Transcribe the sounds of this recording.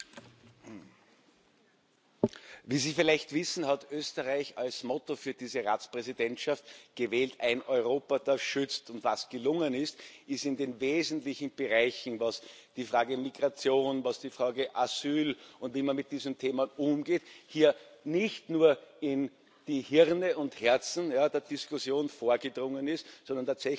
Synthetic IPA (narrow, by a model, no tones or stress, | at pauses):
viːziːfɪlæɪçtv̥ɪsn̩hatʔøːstəʁaɪçalsmɔtofyːɐdiːzəʁa̰ːt͡spʁɛzidɛntʃaftɡ̥əvɛːltæɪnʔɔʏʁoːpɐd̥aɐʃʏt͡stʊntvasɡ̥əlʊŋənɪstʔɪstɪndeːnveːzn̩tlɪçn̩b̥əʁaɪçn̩vasd̥ifʁaːɡəmiɡʁat͡sjoːnvasd̥ifʁaːɡəʔazyːlʊ̃ntviːmanmɪt̚d̥iːzn̩tʰeːmənʔʊmɡeːthiːɐnɪçtnuːɐɪn | d̥iːhɪʁnəʊnthɛɐt͡sn̩jaːdeːɐd̥ɪskʊsjoːnfoːɐɡədʁʊŋənɪstsɔndɐntaːtsɛ